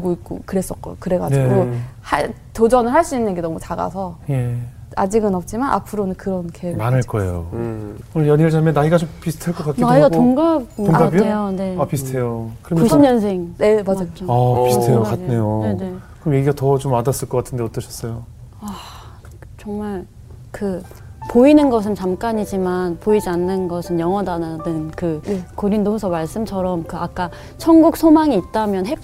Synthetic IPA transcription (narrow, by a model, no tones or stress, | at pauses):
uɭɡoit̚k͈o̰kɯɾe̞s͈ʌt̚k͈ʌjokɯɾe̞ɡaneɡohaɭ | tod͡ʑʌnɯɭɦaɭs͈uinːɯnɡe̞nʌmut͡ɕaɡa̰sʰʌje̞ | a̰d͡ʑiɡɯnʌp̚t͡ɕ͈imanʔa̰pʰɯɾonɯnkɯɾʌnkʰemanɯɭk͈ʌejowʌjʌɲiɯɭd͡ʑʰamjʌnːaiɡat͡ɕompisʰɯ̥tʰeɭk͈ʌk͈akiaiɡaɡtoŋɡaboɡabiooneapisʰtʰe̞jokɯɾʌmjuɕiɲʌnsʰeŋne̞mad͡ʑajapist̪ʰejokatne̞joenekɯɾʌmje̞ɡiɡatʌt͡ɕomadas͈ɯɭk͈ʌk͈atʰɯndeʌt͈ʌɕʰʌ̥s͈ʌjo | a | t͡ɕʌŋmaɭ | kɯ | poinɯnɡʌs̬ʰɯnt͡ɕamk͈aɲid͡ʑimanpoid͡ʑianːɯnɡʌsʰɯnjʌŋʌdanadɯnkɯkoɾindousʰʌmaɭs͈ɯmt͡ɕʰʌɾʌmkɯak͈a | t͡ɕʰʌŋɡuk̚sʰomaŋiːt̚t͈amjʌnɦep̚